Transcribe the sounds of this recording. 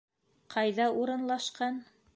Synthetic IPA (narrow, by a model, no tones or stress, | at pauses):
qʰɑjðɑuɾɤ̆nlˠɑʃqɑn